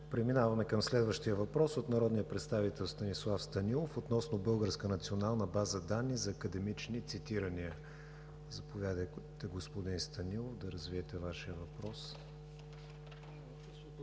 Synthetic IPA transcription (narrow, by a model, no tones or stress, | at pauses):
pɾɛminavɐmɛkəmslɛd̪vəʃt̪ijəvɐpɾɔsot̪nɐɾɔd̪nijəpɾɛt̪st̪avit̪ɛlˠst̪ɐnislˠafst̪ɐnilˠofot̪nɔsnobɤlˠɡəɾskənɐt̪sionalˠnəbazəd̪anːizɐːkəd̪ɛmit͡ʃnit̪sit̪iɾəniə | zɐpovʲjad̪əjt̪ɛɡospod̪inst̪ɐnilˠofd̪ɐɾəzviɛt̪ɛvaʃiəvɐpɾɔs